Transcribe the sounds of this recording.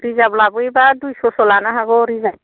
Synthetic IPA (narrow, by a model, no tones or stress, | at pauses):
ɾizablabujbadujsɔsɔlanaɦaɡɔɾiza